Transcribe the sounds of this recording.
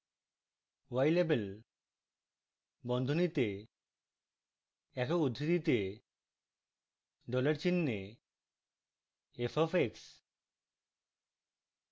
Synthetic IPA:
wajlebel | bɔnd̪ʱonit̪e | ɛkoud̪ʱːit̪it̪e | ɖɔlaɾt͡ɕinːe | efʰɔfeks

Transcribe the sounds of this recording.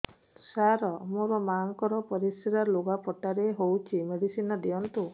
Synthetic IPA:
saɾɔmuɾɔmaŋkɔɾɔpɔɾisiɾaɾloɡapɔʈaɾeɦowt͡ʃʰimeɽisinɔd̪iɔnt̪u

